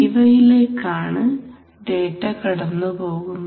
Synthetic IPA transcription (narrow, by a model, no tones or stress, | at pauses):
iʋɐjile̞ːkːaːɳɨ | ɖe̞ːʈːɐkɐɽɐnːupo̞ːɣunː